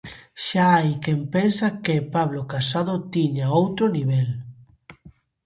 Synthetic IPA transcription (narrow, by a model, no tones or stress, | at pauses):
ʃaajkempensakepaβlokasaðot̪iɲaowt̪ɾoniβ̞ɛl